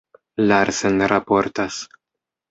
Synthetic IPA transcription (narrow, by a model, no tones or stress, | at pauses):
laɾsenɾapoɾt̪as